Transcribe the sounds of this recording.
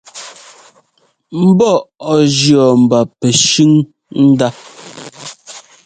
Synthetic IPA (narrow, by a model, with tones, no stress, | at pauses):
m̩˦bɔ˦˨ʔɔ˨d͡ʒjɔ˨m̩˨ba˨pɛ˨ʃʉ˦ŋ | n̩˦da˦